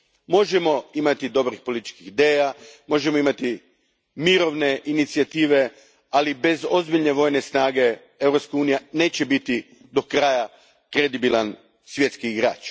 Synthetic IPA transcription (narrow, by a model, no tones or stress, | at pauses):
mo̞ʒemo̞imat̪id̪o̞bɾixpolit̪i̥t͡ʃkixid̪e̞ːjamo̞ʒe̞mo̞imat̪i | miɾo̞ʋne̞ʔinit̪siat̪iːʋe̞ | alibe̞zo̞zbiʎʲne̞ʋo̞jnesnaːɡe̞ | e̞ʋɾo̞pskauːnijane̞ːt͡ɕebit̪i | d̪o̞kɾaja | kɾed̪ibilan | sʋje̞t̪skiːɡɾa̰ːt͡ʃ